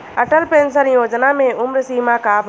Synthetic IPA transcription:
ɐʈəlpẽːnsəɾjoːd͡ʒnamẽʊmɾsiːmãkaːb

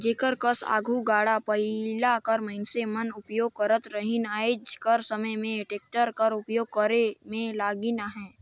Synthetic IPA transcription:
d͡ʒeːkəɾkəsa̰ːɡʱuɡaːɽapəɪlakəɾməɦɪnsemənʊpjoːɡ̚kəɾət̪ɾəɦɪnaːɪd͡ʒkəɾsəməjmẽʈeːk̚ʈəɾkəɾʊpjoːɡ̚kəɾemẽlaːɡinaɦɛ̃ː

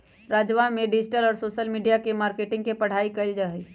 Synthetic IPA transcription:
ɾaːd͡ʒʋanmẽɖɪd͡ʒɪʈəlɔːɾsoːʃəlmiːɖijakemaːɾkeʈɪ̃ŋɡ̚kepəɽ̤aːikəɪld͡ʒaɦəi

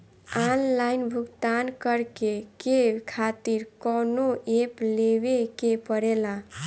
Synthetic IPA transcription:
anlajnbʱuɡt̪ankəɾkekekʰat̪iɾkɔnoʔepleβekepəɾelã

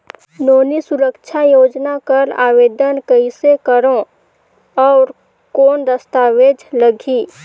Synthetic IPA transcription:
noːnisʊɾəkt͡ʃʰajoːd͡ʒnakəɾa̰ːʋeːd̪ənkəisekəɾõ | ɔːɾ | koːnd̪əst̪aːʋeːd͡ʒləɡʱiː

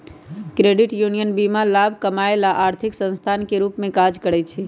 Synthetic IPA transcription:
kɾeɖiʈjunijənbimalabʱkəmaelaʔaɾt̪ʰiksə̃nst̪ʰankeɾupmẽkad͡ʒkəɾɛt͡ʃʰɛ

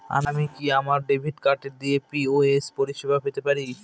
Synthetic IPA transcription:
a̰ɾamikiamaɾɖebʱiʈkaɾʈeɾd̪iepioespoɾiʃebʱafet̪epaɾi

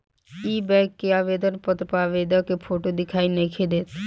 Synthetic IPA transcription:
iːbɛːkːeaːʋeːd̪ənpət̪ɾəpaːʋeːd̪əkepʰoːʈod̪ɪkʰaːinəikʰed̪eːt̪

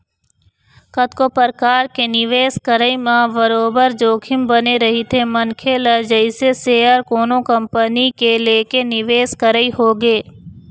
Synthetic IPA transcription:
kət̪kopəɾkaːɾkenɪʋeːskəɾəimãbəɾoːbəɾd͡ʒoːkʰɪmbəneɾɐɦit̪ʰemɐnkʰeləd͡ʒəɪseseːəɾkoːnõkɐ̃mpənikeleːkenɪʋeːskəɾəiɦoːɡeː

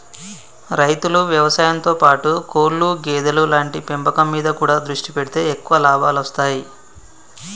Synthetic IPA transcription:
ɾɐjt̪uluʋjɐʋɐsaːjɐnt̪o̞ːpaːʈukoːɭːuɡeːd̪ɐlulaːɳʈipembɐkɐmːiːd̪ɐkuːɽaːd̪ɾuʂʈipeɽit̪e̞ːekːuʋɐlaːbʱaːlost̪aːji

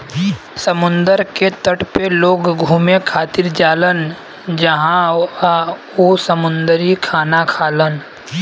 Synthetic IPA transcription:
səmʊ̃nd̪əɾket̪əʈpeloːɡɡʱuːmekʰaːt̪ɪɾd͡ʒaːlən | d͡ʒəɦãa | osəmʊ̃nd̪ɾikʰaːnakʰaːlən

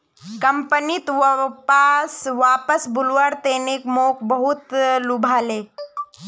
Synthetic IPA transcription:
kɐmpənit̪pasʋaːpəsbʊlʋaɽt̪eːnekmoːkʰbɐɦut̪lubʱaːleː

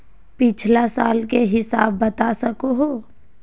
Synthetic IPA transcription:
pɪt͡ʃʰlasaːlkeɦɪsa̰ːbːɐt̪asɐkoɦoː

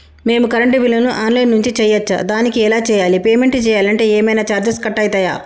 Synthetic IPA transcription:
me̞ːmukɐɾɐɳʈiʋilɐnuʔaːnlɐjnːuɲt͡ʃit͡ʃɛjɐt͡ʃːɐ̰d̪aːnikiɛlaːt͡ʃɛːjaːlipeːme̞ɳʈt͡ʃɛːjaːlɐɳʈe̞ːɛːmɐjnaːt͡ʃaːɾd͡ʒɐskɐʈːɐjt̪ɐːja̰ː

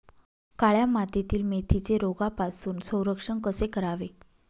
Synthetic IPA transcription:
kaɭjamat̪et̪iːlmet̪ʰit͡seɾoɡapasuːnsə̃w̃ɾəkʂəɳkəsekəɾaʋe

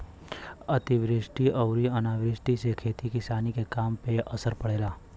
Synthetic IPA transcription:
ɐt̪iʋɾɪʃʈiʔɐʊɾiɐnaːʋɾɪʃʈisekʰeːt̪ikɪsaːnikekaːmpeʔɐsəɾpɐɽeːlaː

